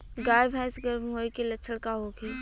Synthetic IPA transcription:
ɡaːjbʱaːɪsɡəɾmɦoːikelɐːt͡ʃʰəɽkaɦokeː

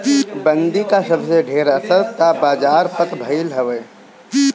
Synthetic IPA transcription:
bə̃nd̪ikasəbseɖʱeːɾəsəɾt̪abaːd͡ʒaːɾpət̪bʱəɪlɦəʋeː

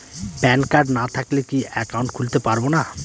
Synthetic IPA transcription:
pɛnkaɾɖnat̪ʰaklekiɛkawuɳʈkʰult̪epaɾbona

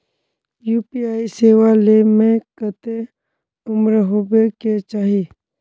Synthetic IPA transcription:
juːpiaːiseːʋalemẽkət̪e | ʊmɾɦobeket͡ʃaːɦiː

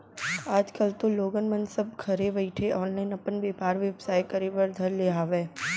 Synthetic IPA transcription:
aːd͡ʒkəlt̪oloːɡənmənsɐb̚kʰɐɾebɐɪʈʰeʔɔːnlaːɪnɐpənʋeːpaːɾʋebsaːjkɐɾibəɾd̪ʱɐɾleːɦaːʋeː

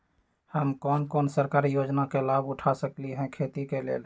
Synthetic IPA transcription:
həmkɔːnkɔːnsəɾkaɾijod͡ʒnakelabuʈʰasəkliɦɛ̃kʰet̪ikelḛːl

